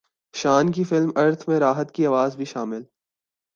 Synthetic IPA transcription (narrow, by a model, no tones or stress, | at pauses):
ʃaːnk̬ifɪlmɐɾt̪ʰmẽɾaːɦət̪kiaːʋaːzbʱiʃaːmɪl